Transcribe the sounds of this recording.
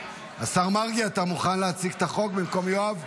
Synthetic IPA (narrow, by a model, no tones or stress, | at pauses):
asaʁmaʁɡiat̪amuχanleat͡siɡe̥t̪aχo̞ɡ̚bimko̞mjoav